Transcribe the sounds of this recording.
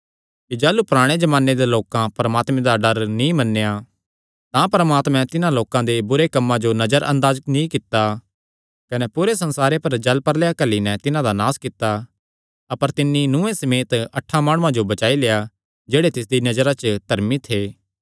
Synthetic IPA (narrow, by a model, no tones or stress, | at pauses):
kid͡ʒaːlupʊɾaːɽ̃ed͡ʒɐmaːnːed̪eloːkãpɐɾəmaːt̪mɛ̃d̪aɖɐɾnĩmɐnːeja | t̪ãpɐɾəmaːt̪mɛ̃t̪ɪnãloːkãd̪ebʊɾekɐmːãd͡ʒonɐd͡ʒəɾʔɐ̰̃nd̪aːd͡ʒəknĩkɪt̪ːa | kɐnɛpuːɾesɐ̃nsaːɾepɐɾd͡ʒɐlpɐɾlejakɐlinɛt̪ɪnãd̪anaːskɪt̪ːa | ɐpəɾt̪ɪnːinʊ̃ẽsɐmeːt̪ɐʈʰːamaːɽ̃ʊ̃ãd͡ʒobɐt͡ʃaːileːja | d͡ʒeːɽet̪ɪs̬d̪inɐd͡ʒəɾat͡ʃt̪ɐɾmit̪ʰeː